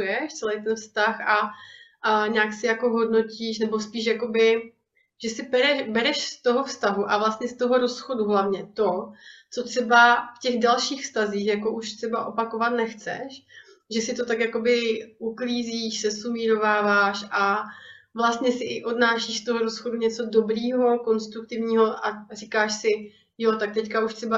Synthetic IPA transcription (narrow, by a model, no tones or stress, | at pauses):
jɛʃt͡sɛlɛjt̪ɛnfst̪axa | ɲaːksɪjako̞ɦo̞dno̞ciːʃnɛbo̞spiːʃjako̞bɪ | ʒ̥ɛsɪbɛɾɛʃbɛɾɛʃst̪o̞ɦofst̪aɦuʔavlast̪ɲɛst̪oɦo̞ɾo̞sxo̞duɦlavɲɛt̪o̞t͡so̞t̪r̥ɛbafcɛɣdalʃiːxfst̪aziːxjako̞ʔuʃt̪r̥ɛbaʔo̞pako̞vat̪nɛxt͡sɛ̰ʃ | ʒɛsɪt̪o̞t̪akjako̞bɪʔukliːziːʃsɛsumiːɾo̞vaːvaːʃʔa | vlast̪ɲɛsɪʔɪʔo̞dnaːʃiːʃst̪oɦoɾo̞sxo̞duɲɛt͡so̞do̞bɾiːɦo̞ko̞nst̪ɾuk̚t̪ɪvɲiːɦo̞ʔarikaːʃsɪ | jot̪ak̚t̪ɛckauʃt̪r̥ɛba